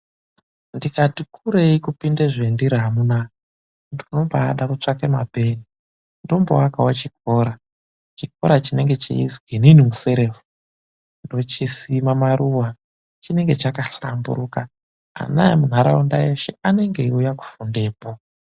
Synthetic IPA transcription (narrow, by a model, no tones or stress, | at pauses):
ndikatikʰuɾeikupindeʐendiɾaamuna | ndino̞baːɗarut͡ʂakemabʱe̞ːni | ndo̞mbo̰wakawat͡ʃiko̞ɾa | t͡ʃik̚o̞̰ɾat͡ʃine̞ŋɡe̞t͡ʃḭḭzwininimuse̞ɾe̞ːfu | ndo̞t͡ʃisimamaɾuwa | t͡ʃine̞ŋɡe̞t͡ʃakaɬambṵɾuka | a̰na̰jḛmun̤aɾaunda̰jeʃe̞ane̞ŋɡe̞ujaku̥funde̞ːpo